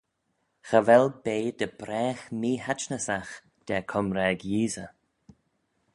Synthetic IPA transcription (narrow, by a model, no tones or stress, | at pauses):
xəvɛlbeːd̪əb̥ɾɛːxmiːɦat͡ʃnəsax | d̪̥ɛkʰɔmɾɛːɡjiːzə